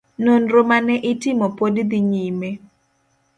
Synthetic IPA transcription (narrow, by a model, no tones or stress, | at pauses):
nonɾomanɛʔɪtɪmɔpodd̪iɲime